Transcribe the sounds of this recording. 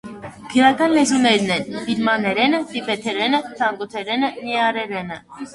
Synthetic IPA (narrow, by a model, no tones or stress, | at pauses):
kʰəɾɑkɑnlɛzunɛɾnɛnb̥iɾmɑnɛɾɛnət̪ipɛt̪ʰɛɾɛnət̪ʰɑŋɡɔt̪ʰɛɾɛnəniɑɾɛɾɛnə